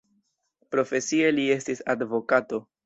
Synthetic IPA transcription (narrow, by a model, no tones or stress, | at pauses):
pɾo̞fe̞sie̞lie̞stisadvo̞kato̞